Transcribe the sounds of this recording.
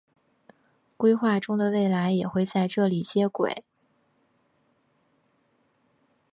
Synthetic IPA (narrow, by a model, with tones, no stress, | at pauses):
kwe˥ɪxwa˥˩ʈ͡ʂʊ˥ŋd̪ə˨we˥˩ɪla˧˥ɪjɛ˨˩xwe˥˧ɪt͡sa˥˧ɪʈ͡ʂɤ˥˩li˨˩t͡ɕjɛ˥kwḛ˨˩˦ɪ